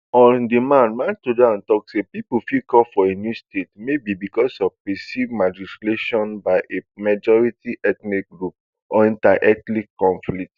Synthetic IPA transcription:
ɔ̃ndemãnmãntudaãntɔksepipofikɔfɔenjustetmebibikɔsɔvpɛsivmad͡ʒistleʃɔ̃nbaɪʔemad͡ʒɔɹitiʔɛt̪nik̚ɡɹup̚ | ɔɛ̃ntaʔɛtlikːɔ̃ɱflikt

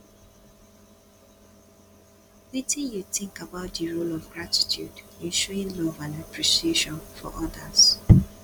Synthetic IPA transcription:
witĩnjuθɪ̃ŋkabaʊt̚dəɹolɔvɡɹati̥tʰjṵdĩnʃɔɪ̃nlɔvãnapʰɹisieʃɔ̃nfɔ̰ʔɔdəz

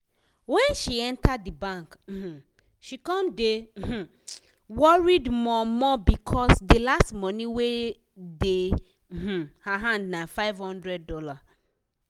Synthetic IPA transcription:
wɛ̃nʃiɛ̃ntadːibãŋk̩h̩ | ʃikɔ̃mdeh̩ | wɔɹidmɔmɔbikʰɔsdelastmɔnĩwe | de | h̩haɦãndnafaɪvhɔ̃ndɹɛd̚ːɔla

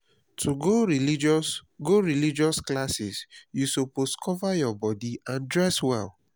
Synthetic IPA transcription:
tʰuɡoɹilid͡ʒɡoɹilid͡ʒɔsklasisjusoposkʰɔvajɔbɔdiãndɹɛswɛ̰l

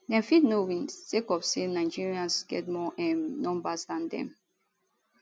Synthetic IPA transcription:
dɛ̃nfidnowĩnsekɔfsenaɪd͡ʒiɹiãnsɡɛ̰tmɔʔɛ̃nːɔ̃mbasdãndɛ̰̃m

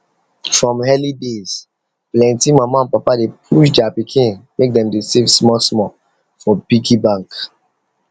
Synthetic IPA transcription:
fɹɔ̃mhɛlidez̥ | plɛ̃ntimamãnpapadepʰuʃd͡ʒapikʰĩnmek̚dɛ̃mdesivsmɔsmɔ | fɔpikʰibãŋk

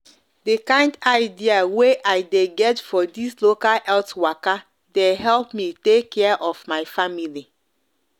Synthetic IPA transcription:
dekãɪ̃ndaɪdiaweʔaɪdeɡɛtfɔdislokalɛltwaka | deɦɛlpmitekʰːɛaʔɔfmaɪfamili

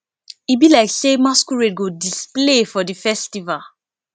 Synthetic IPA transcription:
ibilaɪksemaskuɹed̚ɡodisplefɔdifɛstival

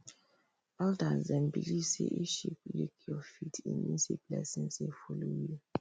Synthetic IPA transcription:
altazɛ̃nbilisḛʔiʃiplikʰjɔfitʰḭ̃nmḭnsiplɛsĩnsefulowi

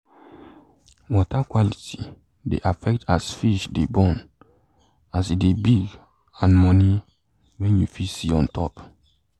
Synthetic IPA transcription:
wɔtakwaliti | dḛʔafɛk̚tasfiʃdebɔ̃n | asidebiɡ | ãnmɔni | wɛ̃njufisiɔ̃ntʰɔ̰p

